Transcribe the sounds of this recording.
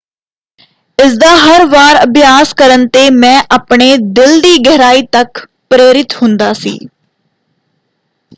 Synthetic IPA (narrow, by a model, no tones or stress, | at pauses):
ɪsd̪aːɦəɾʋaːɾəbjaːskəɾənt̪eːmɛ̃ːʔaːpɳeːd̪ɪld̪iːɡɛɦɾaːiːt̪ək | pɾeːɾɪt̪hʊ̃nd̪aːsḭː